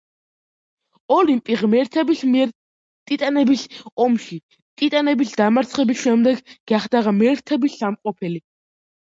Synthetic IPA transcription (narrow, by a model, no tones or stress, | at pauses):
ɔlimpʼiʁmɛɾt̪ʰɛbism | t̪ʼit̪ʼanɛbisɔmʃi | t̪ʼit̪ʼanɛbisd̪̥amaɾt̪sʰχɛbisʃɛmd̪ɛɡɡ̥aχd̪aʁamɛɾt̪ʰɛbisamqʼɔpʰɛli